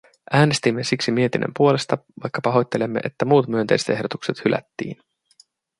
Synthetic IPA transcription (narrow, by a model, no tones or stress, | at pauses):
ʔæːne̞st̪imːesiksimie̞t̪inʔḛmpuo̞le̞st̪ɑʋɑ̰jkːɑpɑɦo̞jt̪ːe̞lemːe̞̰ʔet̪ːæmuːt̪myønt̪ḛjset̪e̞ɦdo̞t̪u̥kse̞t̪hylʔæ̰t̪ːḭːn